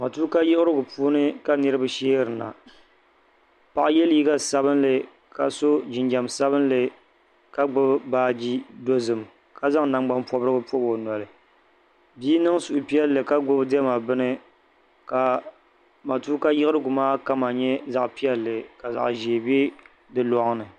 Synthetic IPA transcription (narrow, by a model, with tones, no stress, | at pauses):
ma˨tuː˦ka˦jɪ˦ʔɪ˦ɾɨ˦ɡʊ˨puː˦nɨ˦ka˦nɨ˦ɾɨ˦ba˦ʃɛː˦ɾɨ˨na̰˨ | pa˦˨ʔjɛ˦lji˦ɡa˦sa˦βɨ˦nlɨ˨ | ka˨so˦d͡ʒɪ˨nd͡ʒa˨msa˦βɨ˦nlɨ˨ | ka˦ɡ͡bʊ˦bbaː˦d͡ʒi˦do˦zɨ˨m | ka˦za˦ŋ˨na˨mɡ͡ba˦mpɔ˦bɾɨ˦bɨ˦po˦bo˨nɔ˨lɨ˨ | biː˦nɨ˦ŋsu˨ʔʊ˨pi˦ɛ˦lːɨ˨ka˦ɡ͡bʊ˦bdɛ˦ma˨bɨ˦nɨ˦ | ka˨ | ma˨tu˦ka˦jɪ˦ɨ˦ɾɨ˦ɡu˨maː˦ka˦ma˨ɲɛ˦za˨ʔpi˦ɛ˦lːɨ˨ka˨za̰˨ʔʒiː˨be˦ | dɨ˦lɔ˨ŋ˦nɨ˨